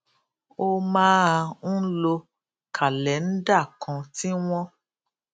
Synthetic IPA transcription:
o˦˧mãː˦a˧ñ̩˦lo˧ | kʰa˨lɛ˨˦n̩˦da˦˨kʰã˧ti˦w̃ɔ̃˦

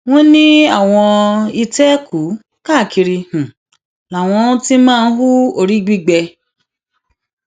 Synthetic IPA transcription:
w̃ɔ̃˦nĩ˦a˦˨w̃ɔ̃˧i˧tɛ˦ku˨˦ | ka˦˨ki˧ɾi˧h̩˨ | la˨w̃ɔ̃˧ũ˦ti˦mãː˦˧n̩˦ɦu˦o˧ɾi˦ɡ͡bi˦ɡ͡bɛ˧

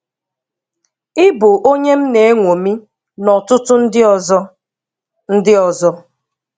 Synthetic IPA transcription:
ɪ˦bʊ˨ʔo˦ɲe˦m̩˦ne˨e˦ŋʷo˨mi˦ | nɔ˨tʊ˦tʊ˦n̩˦dɪ˦˨z | n̩˦dɪ˦ɔ˨zɔ˦

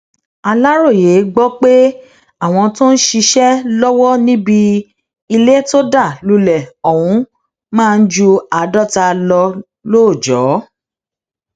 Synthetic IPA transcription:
a˧la˦ɾo˦˨je˨˦ɡ͡bɔ˦k͡pe˦ | a˦˨w̃ɔ̃˧to˦n̩˦ʃi˧ʃɛ˦lɔ˦wɔ˦nĩ˦bi˧ | i˧le˦to˦da˦˨lu˧lɛ˨ɔ˨w̃ũ˨˧ | mãː˦˧n̩˦d͡ʒu˧a˨dɔ˦˨ta˧lɔ˧ | loː˦˨d͡ʒɔ˨˦

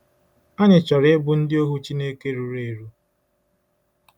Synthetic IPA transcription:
a˦ɲɪ˨t͡ʃɔ˨ɾɪ˦ɪ˦bʊ˨n̩˦dɪ˦o˦ɦu˦t͡ʃi˦neː˦ke˦ɾu˨ɾe˨ɾu˦

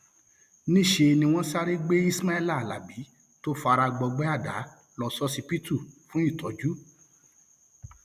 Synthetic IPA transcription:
nĩ˦˨ʃe˧nĩ˧w̃ɔ̃˦sa˦ɾe˦ɡ͡be˦i˦sma˦ɛ˦˨la˦˨la̰˨bi˨˦ | to˦fa˧ɾa˧ɡ͡bɔ˧ɡ͡bɛ˦a˦˨da̰˨˦ | lɔ˧sɔ˦si˧˦pi˦tu˦˨fũ˦i˦˨tɔ˨˦d͡ʒu˦

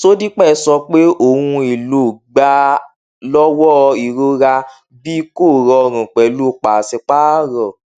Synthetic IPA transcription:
so˦di˦k͡pɛ˦˨˧sɔ˧k͡pe˦ʔo˨hũ˧i˨lo˨ɡ͡ba˨˦ | lɔ˦wɔ˦i˨ɾo˧ɾa˧ | bi˦ko˦˨ɾɔ˧˨ɾ̃ũ˨k͡pɛ˨lu˦˨k͡pa˨sɛ˧k͡pa˦˨ɾɔ˨

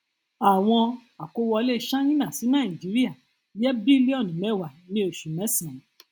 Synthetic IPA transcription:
a˨w̃ɔ̃˧a˨ko˦wɔ˧le˦˧ʃã˦nĩ˦nã˦˨si˨˦nãː˦˨i˨d͡ʒi˨˦ɾi˦a˦˨ | jɛ˦bi˦le˦ɔ˦˨nĩ˨mɛ˦˨wa˨nĩ˦o˦˨ʃu˨mɛ̃˨˦sã˨˦

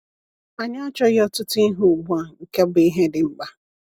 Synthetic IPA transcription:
a˨ɲa˦a˦t͡ʃɔ˦ɣɔ˦tʊ˦tʊ˦i˦ɦu˨ɡ͡bu˦a˨ŋ̩˨ke˦bi˦ɦe˦dɪ˨ŋ͡m̩˦ɡ͡ba˦

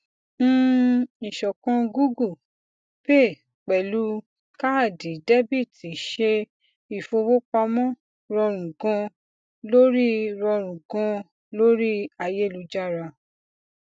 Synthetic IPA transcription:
ñ̩ː˦i˨ʃɔ˨kɔ̃˧ɡu˦ɡu˦˨ | pe˦˨ | k͡pɛ˨lu˨˦ | ka˦a˦˨di˨de˦bi˦˨ti˨ʃe˧ | i˨fo˧wo˦k͡pa˧mɔ̃˦ | ɾɔ˧ɾ̃ũ˨ɡɔ̃˧ | lo˦ɾi˦ɾɔ˧ɾ̃ũ˨ɡɔ̃˧ | lo˦ɾi˦a˧˨je˦˨lu˧d͡ʒa˦˨ɾa˧˨

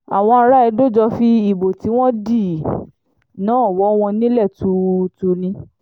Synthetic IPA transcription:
a˨w̃ɔ̃˧a˧ɾa˦ɛ˧do˦˨d͡ʒɔ˧fi˧i˦˨bo˨ti˨˦w̃ɔ̃˦di˦˨ | nãː˨˦˨wɔ˨˦w̃ɔ̃˧nĩ˦lɛ˦˨tu˨˦tu˧nĩ˧˦

